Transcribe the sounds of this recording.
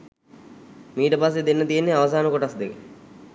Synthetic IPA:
miːʈəpasːed̪enːət̪ijenːeaʋəs̬aːnəkoʈasd̪ekə

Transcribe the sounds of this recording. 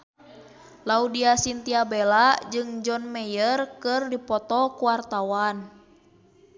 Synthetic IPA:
laudiasint̪iabɛlad͡ʒɨŋd͡ʒɔnmɛjərkɨrdipɔt̪ɔkuwart̪awan

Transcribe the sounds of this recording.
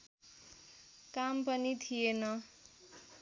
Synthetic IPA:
kampʌnit̪ʰijenʌ

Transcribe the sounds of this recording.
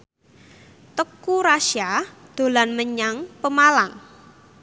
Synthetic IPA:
t̪əkuɾaʃad̪̥o̤lanməɲaŋpəmalaŋ

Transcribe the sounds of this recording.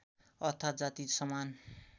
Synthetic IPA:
ʌt̪ʰːad͡zat̪isʌman

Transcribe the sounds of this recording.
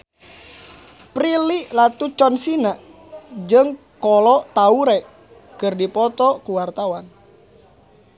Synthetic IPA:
pɾiliʔlat̪ut͡ʃɔnsinaʔ | d͡ʒɨŋ | kɔlɔʔt̪auɾɛʔ | kərdipɔt̪ɔkuwart̪awan

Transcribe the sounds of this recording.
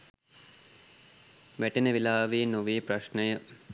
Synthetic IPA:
ʋæʈenəʋilaːʋiːnoʋiːpɾaʃnəjə

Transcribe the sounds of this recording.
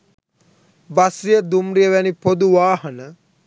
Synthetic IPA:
ʋasijəd̪umɾijəʋænipod̪uʋaːɦənə

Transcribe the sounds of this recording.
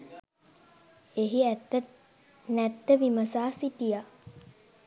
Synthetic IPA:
eɦi | næt̪ːəʋiməsaːsit̪ija

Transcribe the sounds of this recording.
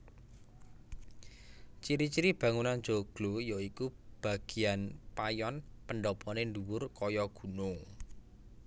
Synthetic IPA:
t͡ʃiɾit͡ʃiɾib̥ä̤ŋunand̥ʒ̥o̤ɡ̥lojoikub̥a̤ɡ̥i̤anpajɔnpənɖɔpɔnenɖuwʊrkɔjɔɡ̥ṳno

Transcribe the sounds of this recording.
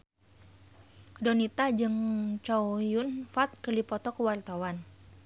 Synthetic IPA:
donit̪ad͡ʒɨŋt͡ʃawjʊnfat̪̚kərlipɔt̪ɔkəwart̪awan

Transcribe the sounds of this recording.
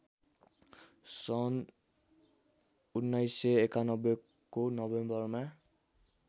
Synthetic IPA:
sɔn | unːajsɛɛkanɔbɔ | kːunɔbembɔɹma

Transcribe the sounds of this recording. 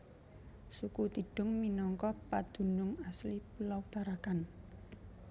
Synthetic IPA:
sukut̪iɖ̥ʊ̤ŋminɔŋkɔpad̪̥ṳnʊŋaslipulawut̪aɾakan

